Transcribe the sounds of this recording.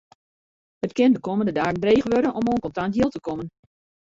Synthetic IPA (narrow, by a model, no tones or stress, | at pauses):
hətkɪndəkoːməndədaːɡəndreːɣəʋøɾənɔmoːənkɔntantɦiəlˠtəkomən